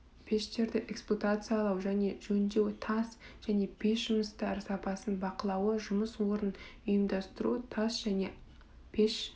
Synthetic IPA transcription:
pʲʰeʃt̪e̞ɾd̪ɪʔekspot̪at̪sɨjalˠɑwʒæne̞ʒɵnd̪e̞wɪt̪ʰɑsʒ̥æne̞pʰʲe̞ʃʒ̥ʊməst̪ɑɾəsɑpɑsənbɑqəlˠɑwəʒʊməswo̞ɾənʊjəmd̪ɑst̪əɾṵət̪ʰɑsʒ̥æne̞ | pʰeʃ

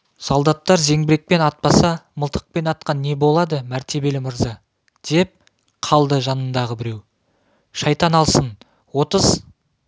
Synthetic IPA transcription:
sɑlˠd̪ɑt̪ːɑɾze̞ŋbɪɾek̚pe̞nɑt̪̚pɑsɑməlˠt̪ə̥q̚pe̞nɑt̪̚qɑnːe̞bo̞lˠɑd̪əmæɾt̪e̞be̞lɪməɾzɑ | d̪̥e̞p̚ | qʰɑlˠd̪əʒɑnənd̪ɑʁəbɪɾe̞w | ʃɑjt̪ɑnɑlˠsən | wo̞t̪əz̥

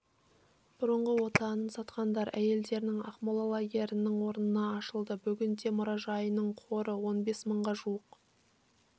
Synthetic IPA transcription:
b̥ʊɾəɴʁəwo̞t̪ɑnənsɑt̪qɑnd̪ɑɾʔæje̞ld̪e̞ɾnɪŋɑ̰χmolˠolˠɑɡʲe̞ɾɪnɪŋwo̞ɾnənɑɑʃəlˠd̪əbʏɡʲɪnd̪e̞mʊɾɑʒɑjənəɴqʰo̞ɾəwo̞nbe̞sməɴʁɑʒuəq

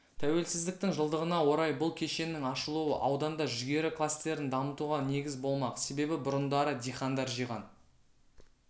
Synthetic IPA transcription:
t̪ʰæwe̞lsɪzd̪ɪk̚t̪ɪŋʒəlˠd̪əʁənɑwo̞ɾɑjbʊlˠkʲʰe̞ʃe̞nːɪŋɑʃəlˠuwəʔɑwd̪ɑnd̪ɑʒʏɡʲe̞ɾɪklˠast̪e̞ɾɪnd̪ɑmət̪uʁɑne̞ɡʲɪzbo̞lˠmɑqse̞be̞bɪbʊɾənd̪ɑɾəd̪ʲejχɑnd̪ɑɾʒijʁɑ̰n

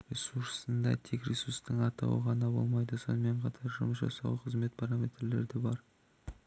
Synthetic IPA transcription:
ɾʲesuɾssənd̪ɑ̰t̪ʰe̞kɾʲesuɾst̪əɴɑt̪ɑ̰wə̰ʁɑnɑbo̞̰lˠmɑjd̪əso̞̰nəme̞ɴqʰɑt̪ʰɑɾʒʊməs̬ʒɑ̰sɑ̰wəqʰəzme̞t̪pʰaɾamʲe̞t̪rle̞ɾd̪ebɑɾ

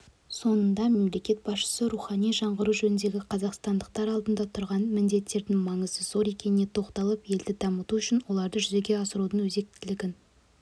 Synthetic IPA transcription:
so̞nənd̪ɑme̞mle̞kʲe̞t̪̚bɑsʃə̥səɾuχɑnijʒɑɴʁəɾuʒɵnɪnd̪e̞ɡʲɪqʰɑzɑqst̪ɑnd̪əqt̪ɑɾɑlˠd̪ənd̪ɑt̪ʰʊɾʁɑnmɪnd̪e̞t̪ːe̞ɾd̪ɪŋmɑɴəzəz̥o̞ɾe̞kʲe̞nɪne̞t̪ʰo̞qt̪ɑlˠəpje̞ld̪ɪd̪ɑmət̪uʏʃɪnwo̞lˠɑɾd̪əʒʏze̞ɡʲe̞ɑsəɾud̪əɴwɵze̞k̚t̪ɪlɪɡʲɪn

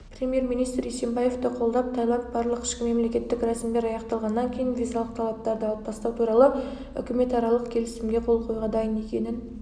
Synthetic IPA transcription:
pɾʲe̞mije̞ɾmijnijst̪ɾese̞mbɑje̞ft̪ɪqʰo̞lˠd̪ɑp̚t̪ʰɑjlˠɑp̚b̥ɑɾlˠəqɪ̥ʃkʲɪme̞mle̞kʲe̞t̪ːɪkɾɑsmd̪e̞ɾɑjɑqt̪ɑlˠʁɑnːɑŋkʲʰe̞jɪnvʲijzalˠəq̚t̪ʰɑlˠɑp̚t̪ɑɾd̪əɑbɑst̪ɑwt̪ʰuɾɑlˠə | ʏ̰kʲɪme̞t̪ɑɾɑlˠəqkʲʰe̞lɪsɪmɡʲe̞qʰo̞lˠqʰo̞jʁɑd̪ɑjəne̞kʲe̞nɪn

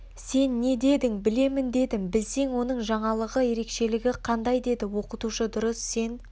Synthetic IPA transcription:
se̞nːe̞d̪e̞d̪ɪŋbɪle̞mɪnd̪e̞d̪ɪŋbɪlse̞ŋwo̞nəɴʒɑɴɑlˠəʁəje̞ɾe̞kʃe̞lɪɡʲɪqʰɑnd̪ɑjd̪e̞d̪ɪwo̞qət̪uʃəd̪ʊɾəsːe̞n

